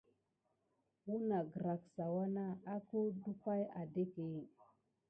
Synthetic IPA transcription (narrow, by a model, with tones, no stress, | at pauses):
u˦na˨ɡə˨ɾa˨ksa˨wa˦na˦a˦ko˦du˦ka˦ja˨de˦ke˨